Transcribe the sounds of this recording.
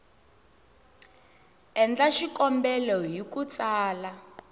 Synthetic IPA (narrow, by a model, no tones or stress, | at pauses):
ɛnd͡ɮaʃikɔmbɛlɔjikut͡saːla